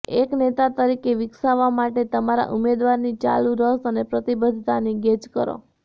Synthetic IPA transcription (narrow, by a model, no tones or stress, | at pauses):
eknet̪at̪əɾikeʋɪksaʋamaʈet̪əmaɾa̰ʔumed̪ʋaɾnit͡ʃa̰lũɾəsənepɾət̪ibəd̪ʱt̪aniɡed͡ʒkəɾo̰